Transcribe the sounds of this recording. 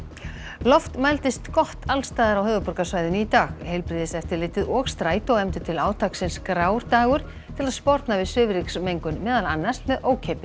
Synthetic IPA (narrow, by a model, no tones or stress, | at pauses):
lɔft̪majlt̪ɪst̪kɔht̪alst̪aːðaɾawhœːvʏpɔɾkasvaːjðʏnit̪aːɣhejlpɾɪːðɪsɛft̪ɪɾlɪːht̪ɪðɔːkst̪ɾaːjt̪ɔwɛmt̪ʏ̥t̪ʰɪlaːwt̪ʰaksɪnskɾaːwɾ̥t̪aːɣʏɾ̥ | t̪ʰɪlaðspɔɾt̪navɪðsʏːvɾiksmejŋkʏnmɛːðala̰nːḁst̪mɛðoːwcʰepɪ